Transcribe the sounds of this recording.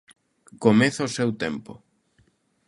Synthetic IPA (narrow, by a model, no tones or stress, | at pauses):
komeθɐosewt̪ɛmpʊ̰